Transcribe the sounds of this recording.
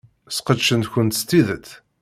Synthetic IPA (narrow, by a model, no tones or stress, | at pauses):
sqəd̪ʃənt̪çənt̪st̪ːiðət̪